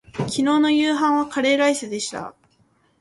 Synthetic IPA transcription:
kʲino̞ːno̞jɯːɦãɰ̃β̞akaɾe̞ːɡaisɨd̪e̞ɕi̥t̪a̰

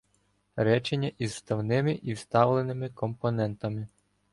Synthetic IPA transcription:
ɾɛt͡ʃenʲːɐʔizst̪ɐwnɪmɪʔiwst̪ɑwlˠenɪmɪkɔmpɔnɛnt̪ɐmɪ

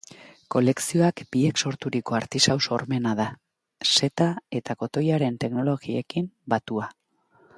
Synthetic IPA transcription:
ko̞le̞ksio̞akb̥ie̞kso̞ɾt̪uɾiko̞aɾt̪isawso̞ɾme̞naða | se̞t̪ae̞t̪ako̞t̪o̞jaɾe̞nt̪e̞kno̞lo̞ɣie̞kimbat̪ua

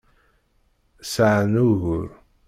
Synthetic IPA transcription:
saʕnuɣʊɾ

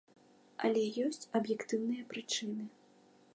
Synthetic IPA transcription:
ɐ̰lʲɛjɔsʲt͡sʲɐbjɛkt̪ɨwnɨjɐpɾɨt͡ʂɨnɨ

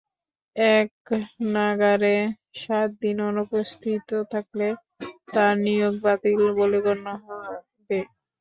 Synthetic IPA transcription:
ɛknaɡaɾe | ʃat̪̚d̪inonupost̪ʰit̪ot̪ʰakle | t̪aɾnijoɡ̚bat̪ilboliɡonːoɦɔa | be

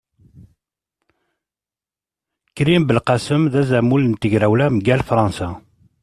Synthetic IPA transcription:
kɾimbəlqɑsəmðæzæmulnt̪əʝɾæwlæmɡælfɾˤɑnsa

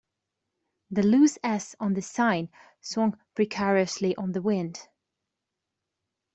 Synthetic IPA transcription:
ðɨlʉsɛsn̩ðɨsãɪ̃n | swʌ̃ŋpʰɹ̥ikʰɛɹiɨsliʔə̃nðəwɪ̃nd̥

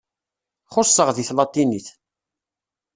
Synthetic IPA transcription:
χʊsˤːəʁðiθlɑt̪ˤːiniθ

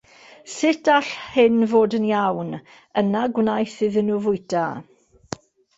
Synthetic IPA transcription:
sɪtʰaɬhɪnvoːdənjawn | ənaɡwnajθɨðənuvʊjta

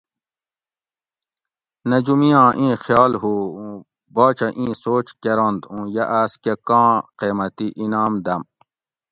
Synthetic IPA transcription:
nɐd͡ʑumijãːʔĩːxjɑːlɦuːũ | baːt͡ɕɐʔĩːsoːt͡ɕkeɾõnd̪ũːjɐʔaːskekãːqeːmɐt̪iʔinaːmd̪ɐm

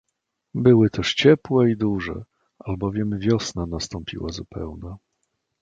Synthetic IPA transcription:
bɘwɘt̪ɛʂt͡ɕɛpwɛid̪uʐɛ̰ | albɔvʲjɛmvʲjɔsnanast̪ɔmpʲḭwazupɛ̰wnɛ

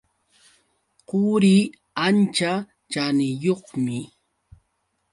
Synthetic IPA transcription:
qʊɾi | ant͡ʃa | t͡ʃanɪjoχmɪ

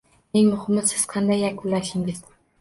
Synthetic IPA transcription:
nɪŋmʊhɪmɪsɪz̥qʰɑnd̪ajːakʲʰʊlːaʃɪŋɡʲɪz̥

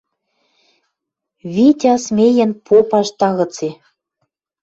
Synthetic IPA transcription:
βit̪ʲɑsmʲejɘ̆npʰopɑʃt̪ɑɣɤ̆t͡se

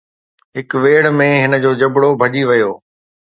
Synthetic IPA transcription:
ɦɪkʋeːɽmẽɦɪnə̆d͡ʑoːd͡ʑɐbɽobʱɐʄiʋɐjoː

